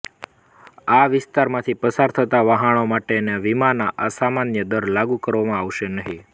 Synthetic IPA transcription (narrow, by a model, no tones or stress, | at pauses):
aʋɪst̪aɾmãt̪ʰipəsaɾt̪ʰət̪aʋaɦaɳomaʈeneʋimanaʔasamanjəd̪əɾlaɡũkəɾʋamãaʋʃenəɦi